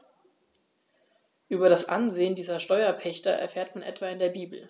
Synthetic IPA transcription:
ʔyːbɐɾasʔa̰nzeːəndiːzɐʃtɔʏɐpʰɛçtɐʔɛ̰ɐfeːɐtmanʔɛ̰tv̥aːɪndeːɐbiːbl̩

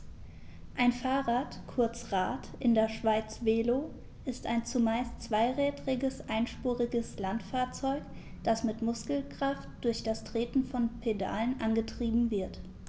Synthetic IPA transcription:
ʔaɪnfaːʁaːtkʰʊɐt͡sʁaːtʔɪndeːɐʃv̥aɪt͡sv̥eːloː | ʔɪstaɪnt͡sumaɪstt͡sv̥aɪʁɛːtʁɪɡəsʔaɪnʃpuːʁɪɡəslantfaːɐt͡sɔʏk | d̥asmɪtmʊskl̩kʁ̥aftd̥ʊɐçd̥astʁ̥eːtn̩fɔnpʰeda̰ːlənʔanɡətʁ̥iːbm̩vɪɐt

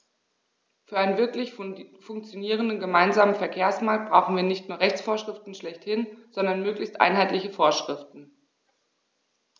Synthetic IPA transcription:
fyːɐʔaɪnənvɪɐklɪçfʊŋk̚t͡sjoniːʁ̞əndənɡəmaɪnzaːmənfɛɐkʰeːɐsmaːk̚t̚b̥ʁaʊxn̩viːɐnɪçtnuːɐʁɛçt͡sfoːɐʃʁ̥ɪftn̩ʃlɛçthɪnz̥ɔndɐnmøːklɪçstʔa̰ɪnɦaɪtlɪçəfoːɐʃʁ̥ɪftn̩

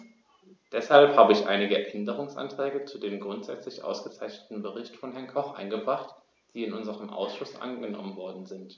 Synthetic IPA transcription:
d̥ɛshalphaːbəɪçʔa̰ɪnɪɡəʔɛndəʁ̞ʊŋsʔa̰ntʁ̥ɛːɡət͡sudeːmɡʁʊntz̥ɛ̰t͡slɪçʔa̰ʊsɡ̥ət͡saɪçnətn̩bəʁ̞ɪçtfɔnɦɛɐnkʰɔχʔa̰ɪnɡəbʁaχt | d̥iːɪnʔʊnzəʁəmʔa̰ʊsʃʊsʔa̰nɡənɔ̰mənvɔɐdn̩zɪnt

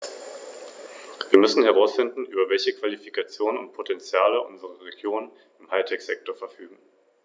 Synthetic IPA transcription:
viːɐmʏsn̩ɦɛʁ̞aʊsfɪndn̩ʔyːbɐvɛlçəkv̥alifikat͡sjoːnənʊnt̚pʰotʰɛnt͡sjaːləʔʊ̰nzəʁəʁeɡjoːnən | ɪmhaɪtʰɛkz̥ɛk̚toːɐfɛɐfyːɡŋ̩

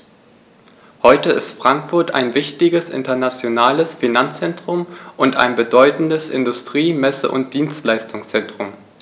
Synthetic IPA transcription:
hɔʏtəɪstfʁ̥aŋkfʊɐta̰ɪnvɪçtɪɡəsʔɪ̰ntɐnat͡sjonaːləsfinant͡st͡sɛntʁ̥ʊmʔʊnta̰ɪnbədɔʏtn̩dəsʔɪ̰ndʊstʁ̥iːmɛsə̰ʔʊ̰nt̚d̥iːnstlaɪstʊŋst͡sɛntʁ̥ʊm

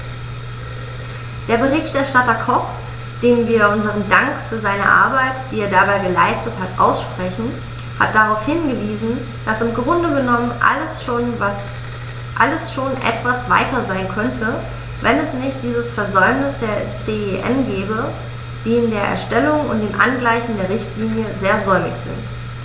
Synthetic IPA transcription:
d̥eːɐbəʁ̞ɪçtʔɛɐʃtatɐkʰɔp | d̥eːmviːɐʔʊnzəʁ̞əndaŋkfyːɐzaɪnə̰ʔa̰ɐbaɪtd̥iːeːɐdabaɪɡəlaɪstəthatʔa̰ʊsʃpʁ̥ɛçn̩ | ha̰t̚d̥aʁaʊfhɪnɡəviːzn̩ | d̥asɪmɡʁʊndəɡənɔmənʔa̰ləsʃoːnvas | ʔa̰ləsʃoːnʔɛ̰tv̥asv̥a̰ɪtɐzaɪnkʰœntʰə | vɛnɛsnɪçt̚d̥iːzəsfɛɐzɔʏmnɪsd̥eːɐt͡seːeʔɛ̰nɡɛːbə | d̥iːɪndeːɐʔɛ̰ɐʃtɛlʊŋʊnt̚d̥eːmʔa̰nɡlaɪçn̩deːɐʁɪçtliːnjəzeːɐzɔʏmɪ̰çz̥ɪ̰nt

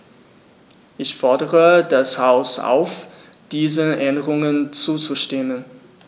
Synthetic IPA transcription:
ʔɪçfɔɐdəʁədashaʊsʔa̰ʊf | d̥iːzəʔɛndəʁʊŋənt͡suːt͡suʃtɪmən

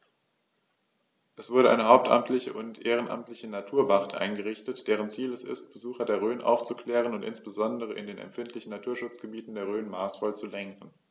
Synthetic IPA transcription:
ʔɛsv̥ʊɐɾəʔa̰ɪnəɦaʊp̚tʔa̰mtʰlɪçəʔʊntʔeːʁ̞ənʔa̰mtlɪçənatʰuːɐbaʁtʰʔa̰ɪnɡəʁɪçtətd̥eːʁ̞ənt͡siːlɛsɪ̰st̚b̥əzuːxɐdeːɐʁ̞øːnʔa̰ʊft͡sukʰl̥ɛːʁ̞ənʊntʔɪ̰nsb̥əzɔndəʁ̞əʔɪ̰ndeːnɛ̰mfɪntlɪçn̩nːatʰuːɐʃʊt͡sɡ̥əbiːtn̩deːɐʁøːnmaːsfɔlt͡sulɛŋkn̩

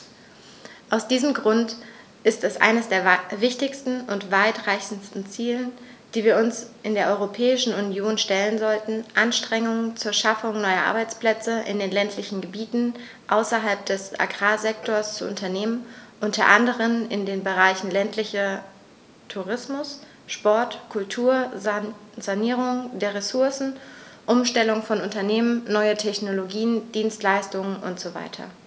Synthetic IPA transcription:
ʔaʊsd̥iːzəmɡʁʊnt | ʔɪstɛsʔa̰ɪnəsd̥eːɐvɪçtɪçstn̩ʔʊntv̥aɪtʁaɪçn̩stn̩t͡siːlənd̥iːviːɐʊnsʔɪndeːɐʔɔʏʁopʰɛːɪʃn̩unjoːnʃtɛlənzɔltn̩ʔanʃtʁ̥ɛŋʊŋənt͡suːɐʃafʊŋnɔʏɐʔa̰ɐbaɪt͡spl̥ɛt͡səʔɪ̰ndeːnlɛntʰlɪçn̩ɡəbiːtn̩ | ʔaʊsɐɦalp̚d̥ɛsʔa̰ɡʁaːzɛktʰoːɐst͡sṵʔʊ̰ntʰɐneːmənʔʊntʰɐʔandəʁ̞ənɪndeːnbəʁaɪçn̩lɛntʰlɪçɐ | tʰuʁɪsmʊs | ʃpɔɐtkʰʊltʰuːɐ | zaniːʁ̞ʊŋdeːɐʁesʊɐsn̩ʔʊmʃtɛlʊŋfɔnʊntɐneːmənːɔʏətʰɛçnoloɡiːənd̥iːnstlaɪstʊŋənʔʊ̰ntz̥ova̰ɪtʰɐ̰

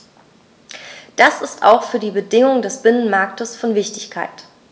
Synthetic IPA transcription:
d̥asɪsta̰ʊxfyːɐdiːbədɪŋʊŋdɛsb̥ɪnənmaɐktəsfɔnvɪçtɪçkʰaɪt

